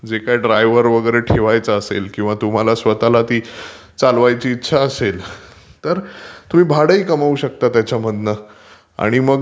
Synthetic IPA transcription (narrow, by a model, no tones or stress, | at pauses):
d͡zekajɖɾajʋəɾʋəɡəɾeʈʰeʋajt͡səəsḛlkĩw̃ʋat̪um̤alasʋət̪alat̪iː | t͡salʋajt͡ɕiːtːɕʰaəsel | t̪əɾt̪um̤iːbʱaɽəiːkəmauːɕək̚t̪at̪jat͡ɕaməd̪nə | a̰ɽ̃iməɡ